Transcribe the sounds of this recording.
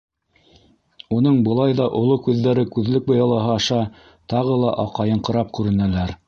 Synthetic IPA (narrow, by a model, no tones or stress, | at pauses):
unɤɴbɤ̆lˠɑjðɑʔŏlˠokʉðːæɾɘkʉðlɘk̚bɤ̆jɑlˠɑɦɑɑʃɑ | t̪ɑʁɤlˠɑ̰ʔɑqɑjɤɴqɤ̆ɾɑp̚kʉɾɘ̆nælæɾ